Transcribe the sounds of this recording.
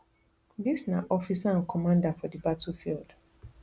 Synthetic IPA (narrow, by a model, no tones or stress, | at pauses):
ðisnaʔɔfisaãnkʰɔmãndafɔdibatufild̥